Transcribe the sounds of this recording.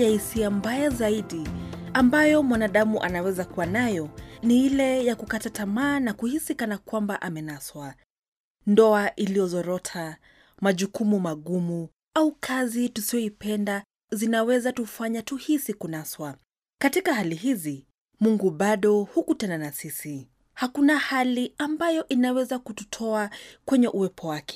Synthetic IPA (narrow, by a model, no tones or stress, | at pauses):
jahisiambajazaiɗiambajɔmwanaɗamuʔanawɛzakuwanajɔniilɛjakukatatamaːnakuhisikanakwambaʔamɛnaswa | ndɔaʔilijɔzɔɾɔtʰa | maʄukumumaɠumu | aukʰazitusiɔipɛnda | zinawɛzatufaɲatuhisikunaswa | katikaɦalihizi | muŋɡuɓaɗɔhukutɛnanasisi | hakunahaliambajɔʔinawɛzakututʰɔakwɛɲɛʔuwɛpʰɔwakɛ̥